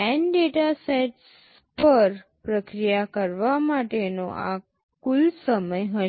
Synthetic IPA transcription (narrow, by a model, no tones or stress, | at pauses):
ɛnɖeʈaseʈs | pəɾ | pɾəkɾijakəɾʋamaʈenoʔa̰ | kulsəməjɦə